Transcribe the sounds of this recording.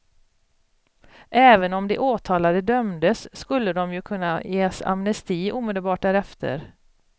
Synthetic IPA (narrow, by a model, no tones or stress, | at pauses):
ʔɛːvənɔmd̪ɛʔoːt̪ʰɑːlad̪əd̪œmd̪əsːkɵlːəd̪ɔmjɵkʰɵnːajeːsa̰mnɛst̪iːʔuːmeːd̪əlbɑːʈ̚ɖæːɾɛft̪ʰə̰ɾ